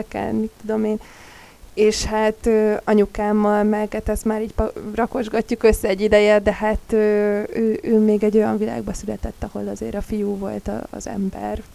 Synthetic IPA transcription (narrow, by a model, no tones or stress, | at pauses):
kɛ̰lmit̪ːud̪o̞meːn | eːʃhat̪øːɒɲukaːmːɒlmɛɡat̪ɛst̪maːɾiːcprɒko̞ʒɡɒcːukø̞sːɛːɟːid̪ɛjɛd̪ɛhat̪øːøːʔøːmeːɡɛɟːo̞jɒɱvila̰ːɡ̚bɒsylɛt̪ɛt̪ːɒho̞lɒzḛːɾɒfijuːvo̞lt̪ɒ̰ːzɛ̰mbɛ̰r